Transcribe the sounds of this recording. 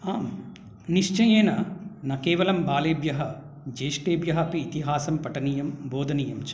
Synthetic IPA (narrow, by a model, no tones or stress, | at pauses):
aːm | niʂt͡ʃɐjeːnɐnɐkeːʋɐlɐmbaːleːbjɐɦɐ | d͡ʒeːʂʈeːbjɐɦɐpiːt̪iɦaːsɐmpɐʈɐniːjɐmboːd̪ʱɐniːjɐmt͡ʃɐ